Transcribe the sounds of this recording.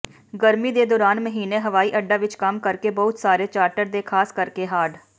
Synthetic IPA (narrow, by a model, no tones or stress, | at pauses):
ɡəɾmid̪ed̪ɔːɾaːnməɦiːneɦɐʋaːiʔɐɖːaʋɪt͡ʃkɐmkəɾkebɐɦʊt̪saːɾet͡ʃaːɾʈəɾd̪ekʰaːskəɾkeɦaːɖ